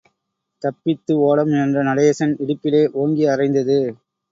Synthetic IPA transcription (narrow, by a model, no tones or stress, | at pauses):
t̪ɐpːɪt̪ːɯoːɽɐmɛndrɐnɐlɐjɐsɐnɪɽɯpːɪleːʔoːŋɡiɐrɐɪnd̪ɐðɯ